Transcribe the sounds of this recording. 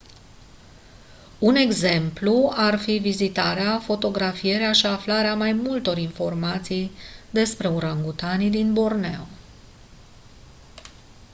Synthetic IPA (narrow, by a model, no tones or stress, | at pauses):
une̞ɡze̞mpluarfivizit̪aɾeafo̞t̪o̞ɡɾafije̞ɾeaʃiaflaɾeamajmult̪o̞ɾinfo̞rmat̪sijd̪e̞spɾe̞uɾəŋɡut̪anid̪inbo̞rnḛw